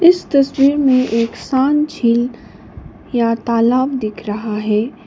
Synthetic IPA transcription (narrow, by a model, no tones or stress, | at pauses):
ɪst̪ɐswiːɾmẽʔeːksaːnt͡ʃʰiːl | jat̪aːlaːbd̪ɪkʰɾɐɦaɦɛː